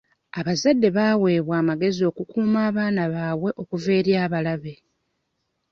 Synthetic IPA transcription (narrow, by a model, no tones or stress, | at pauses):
aβazadːe̞βaːwe̞ːβwaːmaɡe̞zio̞ːkukuːmaːβaːnaβaːwe̞ʔo̞kuve̞ːɾjaːβalaβe̞